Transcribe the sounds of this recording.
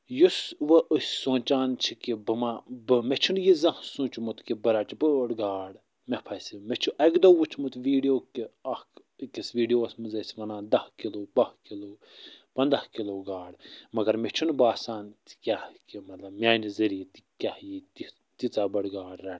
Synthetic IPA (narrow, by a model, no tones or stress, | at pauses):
jusʋɐʔusʲsõːt͡ʃaːnt͡ʃʰikibɨmabɨmet͡ʃʰunjizɐhsũːt͡ʃmut̪kibɐɾaːt͡ʃibəɽɡaːɽ | mepʰɐsimet͡ʃʰuʔɐkd̪oʋut͡ʃʰmut̪ʋiːɖijoːkiɐhk | kisʋiːɖijoːsmɨzɐsʋɐnãːnd̪ɐhkiloːbɐhkiloː | pɐnd̪ahkiloːɡaːɽmɐɡɐɾmet͡ʃʰunbaːsaːnt̪i̥kʲahkimɐt̪lɐbmʲaːnizɐɾiːt̪i̥kʲahjit̪i | t̪it͡saːbɐɽɡaːɽɾɐn